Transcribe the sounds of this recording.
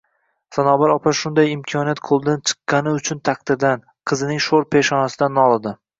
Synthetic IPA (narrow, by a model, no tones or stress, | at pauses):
sanɒbaɾɒpʰaʃʊnd̪ajɪmkʲʰɒnijat̪̚qʰolˠɪd̪ant͡ʃʰɨ̥qːɑnɪʊt͡ʃʰʊnt̪ʰaqt̪ɪɾd̪an | qʰɨzɪnɪŋʃoɾpʰe̞ʃɒnasɪd̪anɒlˠad̪ɪ